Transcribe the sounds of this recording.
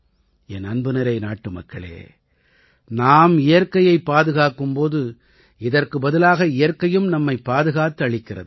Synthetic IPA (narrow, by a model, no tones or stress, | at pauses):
ɛnɐnbɯnɪɾɐɪnaːʈːɯmɐkːɐɭḛː | naːmɪjɐrkɐjɐɪpːaːðɯɣaːkɯmpoːðɯ | ɪðɐrkɯbɐðɪlaːɣɐɪjɐrkɐjɯmnɐmːɐɪpːaːðɯɣaːt̪ːɯɐɭɪkːɪrɐ̰ðɯ